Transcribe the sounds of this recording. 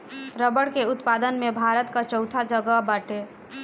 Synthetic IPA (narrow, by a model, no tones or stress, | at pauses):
ɾəbəɽkeʊt̪pad̪ənmebʱaɾət̪kat͡ʃəwt̪ʰad͡ʒəɡəbaʈe